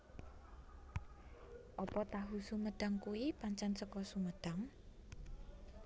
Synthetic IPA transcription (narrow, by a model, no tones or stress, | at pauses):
ʔɔpɔt̪aɦusuməd̪̥a̤ŋkuwipaɲt͡ʃansəkɔsuməɖ̪̥a̤ŋ